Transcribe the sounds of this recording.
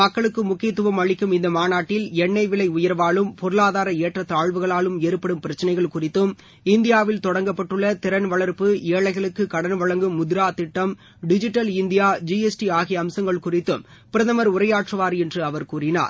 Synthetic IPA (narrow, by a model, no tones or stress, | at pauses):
mɐkːɐɭɯkːɯmʊkːɪjɐt̪ːɯʋɐmɐɭɪkːɯmɪnd̪ɐmaːnaːʈːɪlɛɳːɐɪʋɪɭɐɪʊjɐɾʋaːɭɯmpɔɾɯɭaːðaːɾɐeːʈrɐt̪ːaːɭʋɯɣɐɭaːlɯmeːɾɯpːɐɽɯmpɪɾɐt͡ʃːɐnɐɪɣɐɭkʊrɪt̪ːɯm | ɪnd̪ɪjaːʋɪlt̪ɔɽɐŋɡɐpːɐʈːɯɭːɐt̪ɪɾɐnʋɐɭɐɾpɯeːɭɐɪɣɐɭɯkːɯkɐɽɐnʋɐɭɐŋɡɯmːʊðɪɾaːt̪ɪʈːɐm | ɖɪd͡ʒɪʈːɐlɪnd̪ɪjaːd͡ʒiɛsʈiaːɣɪjɐːmsɐŋɡɐɭkʊrɪt̪ːɯm | pɪɾɐðɐmɐɾʊɾɐjaːʈrɐʋaːɾɛndrɯɐʋɐɾkuːrɪna̰ːɾ